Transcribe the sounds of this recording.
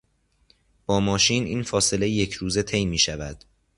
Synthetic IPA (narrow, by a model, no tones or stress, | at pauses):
b̥ɒːmɒːʃiːnʔiːnfɒːse̞le̞jejecʰɾuːze̞t̪ʰe̞jmiːʃævæd̪̥